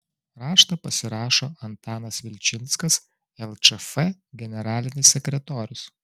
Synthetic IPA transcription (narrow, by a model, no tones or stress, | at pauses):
ɾɑːʃt̪ɐpɐsʲɪɾɑːʃoːɐnt̪ɑːnɐsʋʲɪlʲt͡ʃʲɪnˑt̪skɐs | ɛlˠt͡ʃɛfɛɡʲɛnʲɛɾɑːlʲɪnʲɪsːʲɛkɾʲɛt̪oːɾʲʊs